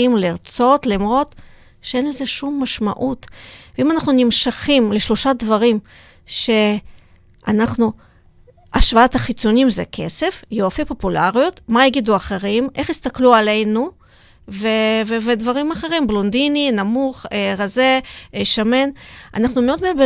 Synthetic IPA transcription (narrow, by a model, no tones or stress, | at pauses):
imliʁt͡so̞t̪lamʁo̞t̪ | ʃeenlezeʃumːaʃma̰ʔut̪veimanaχnunimʃaχimleʃloʃad̪vaʁim | ʃe̞ | a̰naχnu | ʔaʃvaat̪haχit͡sonimzḛkʰe̞̰sefjoafipo̞pula̰ʁijot̪majaɡid̪uaχeʁimʔe̞χist̪akluale̞jnu | veveved̪vaʁimaχe̞ʁimblond̪ininamuχeʁazeʃame̞nʔa̰naχnumeo̞d̪meabe